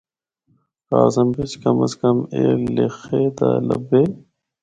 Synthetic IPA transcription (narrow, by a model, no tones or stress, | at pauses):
ɾaːzɐmbet͡ʃkɐmɐskɐmeːlexeːd̪alɐ̰beː